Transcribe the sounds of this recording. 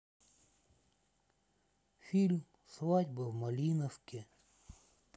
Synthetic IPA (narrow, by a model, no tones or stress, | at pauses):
fʲilʲm | sʋɑdʲbɐwmɐlʲinɔwkɪ